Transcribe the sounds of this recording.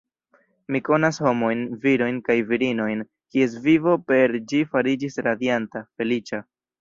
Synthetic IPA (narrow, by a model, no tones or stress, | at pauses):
miko̞nasho̞mo̞jnviɾo̞jnkajviɾino̞jn | kie̞s̬vivo̞pe̞ɾd͡ʒifaɾid͡ʒisɾad̪jantafe̞lit͡ʃa